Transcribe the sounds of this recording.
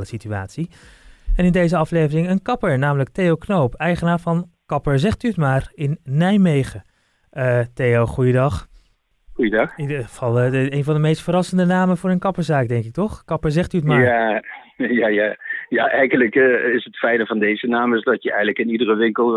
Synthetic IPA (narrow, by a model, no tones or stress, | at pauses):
ləsityaːtsi | ɛnɪndejzəɑflejvərɪŋənkɑpəɹnaːmələk̚tejowknowpɛjχənaːɹvɑnkɑpəɹzɛχtyətmaːrɪnːɛjmejχə | tejowχujədɑχ | χujədɑχidəvɑlˠejnvɑndəmejstfərɑsəndənaːmənvʊːɹənkɑpəɹzaːk̚dɛŋkɪk̚tɔχkɑpəɹzɛχtyətmaː | jaːjaːjaːʔɛjχənləkːɪsətfɛjnəvɑndejzənaːməsdɑtjəɛjənləkɪnidərəʋɪŋkəlˠ